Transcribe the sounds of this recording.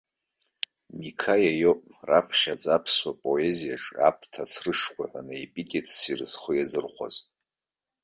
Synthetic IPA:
mikʰajajopʼrapʰʃad͡zʼapʰswapʼoe̞zijaʈ͡ʂʼa̰pʰtʰat͡sʰrɨʂkʷaanaepʼikʼetʰsirɨzχojazɨrχʷa̰z

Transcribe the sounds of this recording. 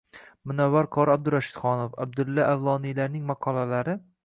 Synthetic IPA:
mʊnawːaɾkʰɒɾab̚d̪ʊɾaʃɪ̥d̪̥χɒnofa̰b̚d̪ɪlːaʔavlˠɒnijlaɾnɪŋmɑqʰɒlalaɾɪ

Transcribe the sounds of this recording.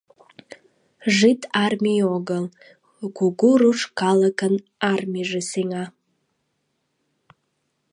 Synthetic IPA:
ʐitʰarmijoɡəl | ɡʷuɡuɾuʂkʰaləkʰən | armʲiʐɨsiŋa

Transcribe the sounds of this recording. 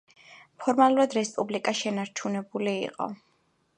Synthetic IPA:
pʰɔɾmalˠuɾad̪ɾɛspʼublikʼaʃɛnaɾt͡ʃʰunɛbulḭːqʼɔ̰

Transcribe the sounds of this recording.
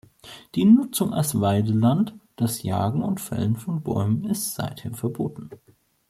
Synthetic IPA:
d̥iːnʊt͡sʊŋʔa̰lsv̥aɪdəlantd̥asja̰ːɡŋ̩ʊntfɛ̰lənfɔnbɔ̰ʏmənɪstz̥a̰ɪtheːɐfɛɐboːtn̩

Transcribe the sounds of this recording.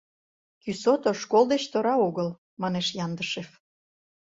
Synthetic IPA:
kysot̪oʃkold̪et͡ɕt̪oɾɑoɣəl | mɑneʃjɑnd̪əʃef

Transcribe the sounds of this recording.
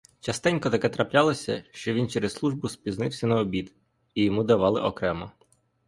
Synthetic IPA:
t͡ʃɐst̪ɪnʲkɔt̪ɐkɛt̪ɾɐplʲalˠɔsʲɐ̰ʃt͡ʃɔʋʲint͡ʃɛɾeslˠuʒbʊspʲiznɪwsʲɐnɐɔbʲid̪ | ijɔmud̪ɐʋɑlˠɪʔɔkɾɛmɐ

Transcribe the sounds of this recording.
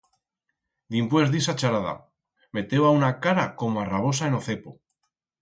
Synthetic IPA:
d̪impwezðisat͡ʃaɾaða̰ | me̞t̪ewaunakaɾako̞moaraβ̞o̞saeno̞θe̞po

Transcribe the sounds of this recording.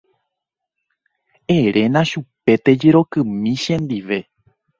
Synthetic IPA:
eɾe̞nãʃupe̞t̪e̞d͡ʒeɾo̞kɨ̃mĩʃẽnd̪iʋe̞

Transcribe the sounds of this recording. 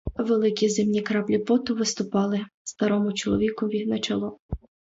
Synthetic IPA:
ʋelˠɪkʲizɪmnʲikɾɑblʲipɔt̪ʊʋɪst̪ʊpɑlˠɪst̪ɐɾɔmʊt͡ʃɔlˠɔ̰ʋʲikʊʋʲid̪nɐt͡ʃɐlˠɔ

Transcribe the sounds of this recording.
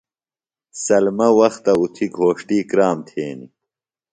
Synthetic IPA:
sɐlmɐwɐxt̪ɐut̪ʰiɡʱoːʂʈiːkɾaːmt̪ʰeːni

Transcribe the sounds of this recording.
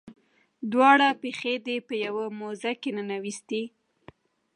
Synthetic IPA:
d̪wɑɽapexed̪epəjawamozakenənawist̪i

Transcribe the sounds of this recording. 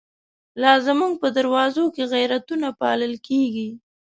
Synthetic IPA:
lɑzamuŋɡ̚pəd̪aɾwɑzokeɣajɾat̪unapɑ̰ləlkeɡi

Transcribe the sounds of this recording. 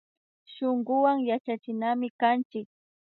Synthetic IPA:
ʃoŋɢʊwaŋjat͡ʃat͡ʃɪnamɪkant͡ʃɪk̚

